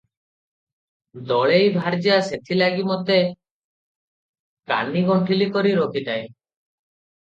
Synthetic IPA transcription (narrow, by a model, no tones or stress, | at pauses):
d̪ɔɭejbʱaɾd͡ʒaset̪ʰilaɡimɔt̪e | ka̰niɡɔɳʈʰilikɔɾiɾokʰit̪aj